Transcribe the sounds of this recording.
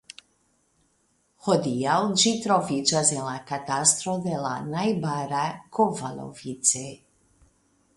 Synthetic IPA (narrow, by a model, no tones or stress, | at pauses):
hod̪ijawd͡ʒit̪ɾovit͡ʃazelakat̪ast̪ɾod̪ela̰najbaɾakʰovalo̰vit̪t͡s̪e